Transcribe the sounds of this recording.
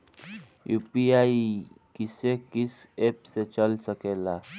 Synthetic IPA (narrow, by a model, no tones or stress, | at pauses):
jupiai | kisekis | epset͡ɕəlsəkɛla